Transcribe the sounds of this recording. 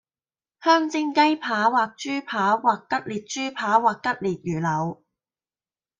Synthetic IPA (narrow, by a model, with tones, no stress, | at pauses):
hœː˥ŋt͡sɪ˥ŋkɐ˥jpʰaː˨˥waː˨k̚t͡ʃyː˥pʰaː˨˥waː˨˩kːɐ˥t̚liː˨t̚t͡ʃyː˥pʰaː˨˥waː˨kːɐ˥t̚liː˨˩t̚jyː˨˩lɐ˨˧w